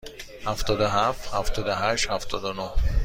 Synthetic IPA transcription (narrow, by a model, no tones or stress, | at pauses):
hæft̪ɒːd̪oɦæft̪hæft̪ʰɒːd̪oɦæʃt̪hæft̪ʰɒːd̪onoh